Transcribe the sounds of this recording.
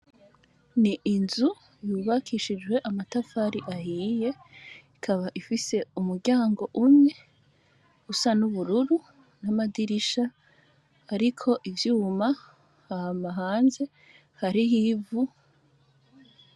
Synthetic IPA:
niʔinzu | juːβakʰiʃid͡ʒwe̞ʔamatafaɾiʔahiːje̞ | ikʰaβaʔifise̞umuɾɟaːŋɡo̞ʔumɲe̞ | usanuβuɾuɾu | namadiɾiʃaː | ɾikʰo̞ʔivjuːma | hahamaɦaːnze̞ | haɾiɦivu

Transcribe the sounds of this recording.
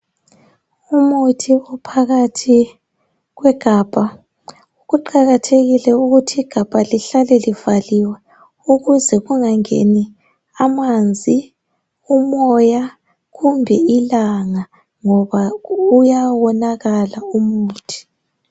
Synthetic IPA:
umutʰiɔpʰaɣatʰi | ɣwɛɡ̥ʱaːb̥ʱa | uɣuǃaɣatʰeɣilɛuɣutʰiiɡ̥ʱab̥ʱaliɬalɛliv̥aliwɛ | uɣuzɛɣuŋaŋḛni | amand͡zʱi | umɔja | ɣumbʱɛilaŋa | ŋɔβaujawɔnaɣalaumuuːtʰi̥

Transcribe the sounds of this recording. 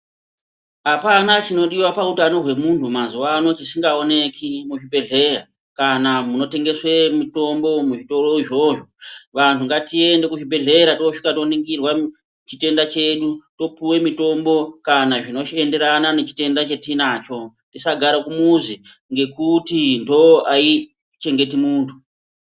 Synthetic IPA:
apanat͡ʃino̞ɗiwapautano̞ɦwe̞muntʰumazuwano̞t͡ʃisiŋɡao̞ne̞kʰimuʐibʱe̞ɮe̞ra | kanamuno̞te̞ŋɡe̞swemito̞mbo̞muʐito̞ro̞iʐo̞ʐoʋantʰuŋɡatie̞nde̞kuʐibʱe̞ɮe̞ɾatooʂi̥katoniŋɡirwa | t͡ʃite̞ndat͡ʃe̞ɗuto̞puwe̞mito̞mbo̞kanaʐino̞t͡ʃiende̞ɾananet͡ʃi̥te̞ndat͡ʃetinaːt͡ʃo̞ | ntisaɡʱaɾakumuziŋɡe̞kutindo̞ʔai | t͡ʃe̞ŋɡe̞timuːntʰu̥

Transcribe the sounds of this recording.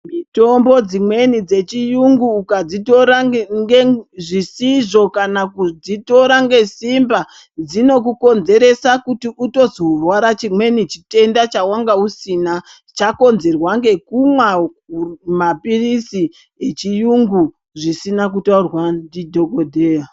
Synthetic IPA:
mito̞mbo̞d͡zimwe̞nid͡ze̞t͡ʃijuŋɡuːkad͡zito̞ɾaŋɡeʐisiʐo̞kanakud͡zito̞ɾaŋɡe̞simba | d͡zino̞k̬uko̞nze̞ɾe̞sakutiuto̞zorwaɾat͡ʃimwe̞nit͡ʃi̥te̞ndat͡ʃawaŋɡausina | t͡ʃako̞nze̞rwaŋɡe̞kumwa | umapirisi | e̞t͡ʃijuŋɡu | ʐisinak̬utaurwandidʱo̞kodʱeːa

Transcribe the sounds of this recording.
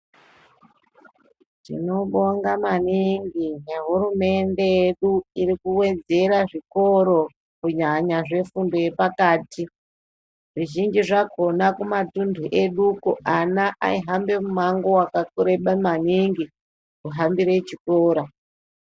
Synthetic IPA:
tḭno̞ɓo̞ŋɡamaniŋɡijeɦuɾume̞nde̞jeɗuiɾikuwe̞d͡ze̞ɾaʐiko̞ɾo̞ | kuɲaɲaʐe̞fundo̞je̞pakaːti | ʐiʒind͡ʒiʐaɡʱonakumatundʱuʔe̞ɗukuʔanaʔa̰iɦambe̞mumaŋɡo̞wakakuɾeɓamaniŋɡi | kuɦambiɾe̞t͡ʃikoːɾa

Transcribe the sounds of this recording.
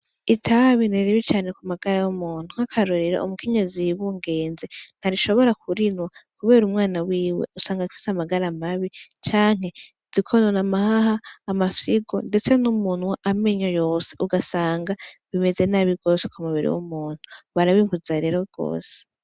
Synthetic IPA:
itʰaβineɾiβit͡ʃaːne̞kumaɡaɾajomuːn̥uhakʰaɾoɾiɾa̰ṵmukʰeɲeziβuːŋɡe̞ːnzen̥haɾiʃo̞βo̞ɾakʰuɾinwakuβe̞ːɾumŋaːnawiːwḛusaːŋɡaufi̥seamaɡaɾamaβit͡ʃaːŋ̥he̞ | z̥ikʰononamahahaːmafiɡo̞nde̞t͡senumuːn̥waʔameɲojo̞ːseʔuɡasaːŋɡaβime̞ze̞naβiɡo̞ːsekumuβiɾḭwo̰muːn̥uβaɾaβiːmuzaɾeɾoɡ̥o̰ːse̥

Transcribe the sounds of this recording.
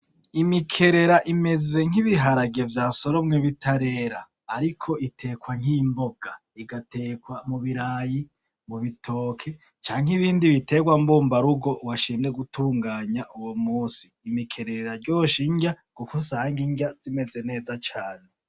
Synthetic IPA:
imikʰe̞ɾe̞ɾaʔime̞ze̞ŋ̥iβiɦaɾaɡievjaːso̞ɾo̞mŋeβitʰaɾe̞ːɾaː | ɾikʰo̞ʔitʰe̞ːkwaŋ̥imboɡ̥a | iɡatʰe̞ːkwamuβiɾaːji | muβitʰo̞ːkʰe̞ | t͡ʃaːŋɦiβiːndiβitʰe̞ɡwambuːmbaɾuɡo̞waʃiːndeɡutʰuːŋɡaːɲaʔuwomuːsi̥ːmikʰe̞ɾe̞ɾeɾaɾɟo̞ːʃiɲɟa | kukusaːŋɡiɲɟaz̥ime̞ze̞ne̞ːzat͡ʃaːne

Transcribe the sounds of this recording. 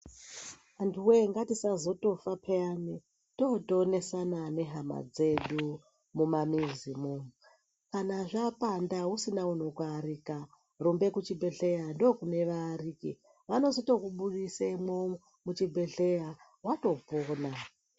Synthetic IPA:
antʰuwe̞ŋɡatisazo̞to̞fapʰeani | toto̞ne̞sanane̞ɦama̰d͡ze̞ɗu | mumamizimomu | kanaʐapandausinauno̞kwaɾika | rumbe̞kut͡ʃibʱe̞ɬe̞jando̞kune̞ʋariːkḭ | ʋano̞zito̞kuɓuɗisemom | mut͡ʃibʱe̞ɬeja | wato̞poːna

